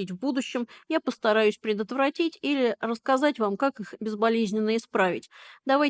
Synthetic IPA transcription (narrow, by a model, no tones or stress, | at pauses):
itʲvbud̪ʊɕːɪmjapəst̪ɐɾajʉsʲpɾʲɪd̪ət̪vɾɐtʲitʲilʲɪrəskɐzatʲvamkakɨxbʲɪzbɐlʲezʲnʲɪnːəɪspɾavʲɪtʲd̪ɐvaj